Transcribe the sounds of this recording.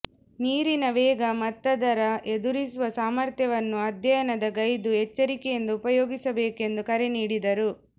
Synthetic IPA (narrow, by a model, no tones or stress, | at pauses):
niːɾinɐʋɛːɡɐmɐt̪ːɐd̪ɐɾɐʔed̪uɾisuʋɐsaːmɐɾt̪jɐʋɐnːuɐd̪jɐjɐnɐd̪ɐɡɐjd̪uɦɛt͡ʃːɐɾikɛjend̪uːpɐjoːɡisɐbeːke̞nd̪ukɐɾeniːɽid̪ɐɾu